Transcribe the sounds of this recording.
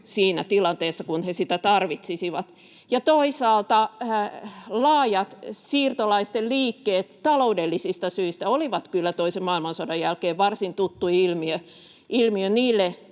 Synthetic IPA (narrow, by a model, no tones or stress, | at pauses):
siːnæt̪ilɑnt̪eːsːɑkunhesit̪æt̪ɑrʋit̪sisiʋɑt̪ | jɑt̪oisɑːlt̪ɑ | lɑːjɑt̪siːrt̪olɑist̪elliːkːeːt̪t̪ːɑloudelːisist̪ɑsyist̪æoliʋɑt̪kylːæt̪oisemmɑilmɑnsodɑjælkeːʋʋɑrsint̪ut̪ːuilmiø | ʔilmiøniːlːe